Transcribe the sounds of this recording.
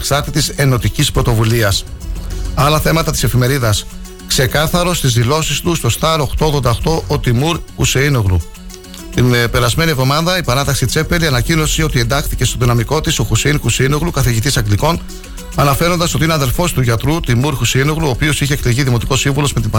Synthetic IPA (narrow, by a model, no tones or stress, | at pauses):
ksɐɾt̪it̪ise̞no̞t̪icispɾo̞t̪o̞vuliɐs | ɐlɐθe̞mɐt̪ɐt̪ise̞fime̞ɾiðɐs | kse̞kɐθɐɾo̞st̪izðilo̞sist̪ust̪o̞st̪ɐɾo̞xt̪o̞oɣðod̪ɐoxt̪o̞ʔot̪imuɾxṵseino̞ɣlu | t̪inpe̞ɾɐzme̞nievðo̞mɐðɐipɐnɐt̪ɐksit͡se̞pe̞liɐnɐcino̞sio̞t̪ie̞nd̪ɐxt̪ice̞st̪oðinɐmiko̞t̪iso̞xuseinxuseino̞ɣlukɐθiʝit̪isɐɡliko̞n | ɐnɐfe̞ɾo̞nd̪ɐso̞t̪ineɐðe̞lfo̞st̪uʝɐt̪ɾut̪imuɾxuseino̞ɣluoːpio̞siçekleʝiðimo̞t̪iko̞siɱvulo̞zme̞t̪ibɐ